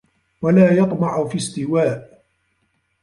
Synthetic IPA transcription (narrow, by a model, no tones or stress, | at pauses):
walaːjɑt̪ˤmɑʕʊfist̪ɪwaːʔ